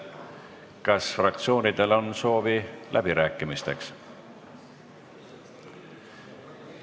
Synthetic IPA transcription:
kɑsfrɑk̚t̪sio̞ːnid̪̥e̞lo̞nso̞ːvilʔæb̥iɾæːkːˑimist̪e̞ks

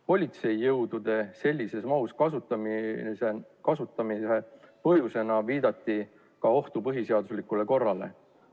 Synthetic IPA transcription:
po̞lʲit̪se̞jːɤwd̪ud̪e̞se̞lʲːise̞smɑuskɑsut̪sekɑsut̪ːˑɑmise̞pɤ̞ɦjuse̞nɑviːd̪̥ɑt̪ːˑi | kɑo̞ht̪upɤɦise̞ɑd̪̥uslikule̞ko̞rːɑle̞̰

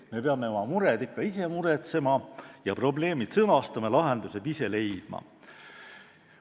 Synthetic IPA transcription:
me̞peɑmːe̞o̞mɑmuɾed̪ikːɑise̞muɾe̞t̪se̞mɑjɑpro̞ble̞ːmit̪sɤnɑst̪ɑmelɑɦe̞nd̪use̞d̪̥ise̞le̞jd̪̥̚mɑ̰

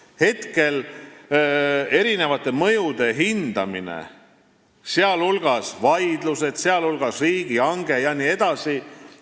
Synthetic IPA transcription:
he̞t̪ke̞l | e̞ɾine̞vɑt̪ˑːe̞mɤ̞jud̪̥e̞ɦind̪̥ɑ̰mḭnḛ | seɑlulɡ̥ɑsvɑjd̪̥luse̞d̪̥seɑlulɡ̥ɑsriːɡ̥iɑŋɡ̥e̞jɑniːe̞d̪̥ɑsi

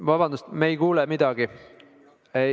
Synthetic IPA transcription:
vɑbɑnd̪ust̪mejkuːlɛmid̪ɑɡ̥i | e

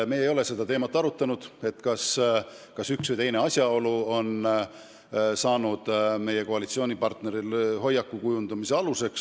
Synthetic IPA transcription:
me̞jejo̞le̞se̞d̪ɑt̪e̞ːmɑt̪ːˑɑɾut̪ːˑɑnud̪̥e̞t̪ːˑkɑs | kɑsyksvɨjt̪e̞jne̞ɑsʲjɑo̞luo̞n | sɑːnud̪̥me̞je̞ko̞ɑlit̪sio̞ːnʲipɑrt̪ne̞ɾilɦo̞jːɑkːˑukujund̪ɑmiseɑluse̞ks

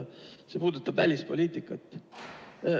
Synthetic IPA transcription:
se̞puːd̪ut̪ːˑɑb̥vælʲispo̞lʲiːt̪ˑikːˑɑt̪ːˑ

